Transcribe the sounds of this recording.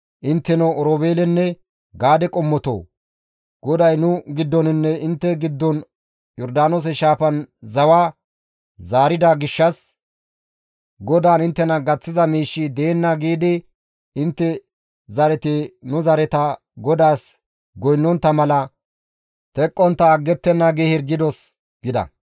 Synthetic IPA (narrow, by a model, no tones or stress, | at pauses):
ʔɪnt̪ːɛnɔɔɾoːbeːlɛnːɛ | ɡaːd̪ɛkʼɔmːɔt̪o̰ː | ɡ̥ɔd̪ɐjnʊɡɪd̪ːɔnɪnːɛɪnt̪ːɛɡɪd̪ːɔn | jɔɾd̪aːnoːs̬ɛʃaːfɐnzɐwaː | zaːɾɪd̪aɡɪʃːɐs | ɡɔd̪aːnɪnt̪ːɛnɐɡɐt͡sːɪzɐmiːʃːid̪eːnːɐɡiːd̪ɪ | ɪnt̪ːɛ | zɐɾɛt̪ɪnʊzɐɾɛt̪ɐ | ɡɔd̪aːs | ɡɔjnːɔnt̪ːɐmɐlɐ | t̪ɛkʼːɔnt̪ːɐːɡːɛt̪ːɛnːɐɡehɪɾɡɪd̪ɔs | ɡ̥ɪd̪ɐ̰